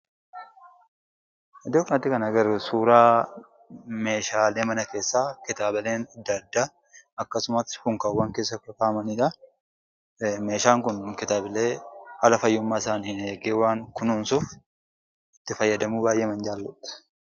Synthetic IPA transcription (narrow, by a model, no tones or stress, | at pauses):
ɛd̪oːknɐt̪ːɪkɐnɐɡɐɾusuːɾaː | me̞ːʃaːleːmɐnɐke̞ːsːaːkɪt̪aːbɐleːnɐd̪ːɐd̪ːa | ʔɐkːɐsʊmɐshʊŋkɐwːaːŋke̞ːsːɐkːɐkaːmɐniːᶑɐ | me̞ːʃaːŋkʊnkɪt̪aːbɪle̞ːhalɐfɐjːʊmːaːɪsaːnːhɪneːɡeːwaːŋkʊnuːnsuf | ɪt̪ːɪfɐjːɐd̪ɐmuːbaːjʔeːmɐnd͡ʒaːlːʊt̪ːɐ̥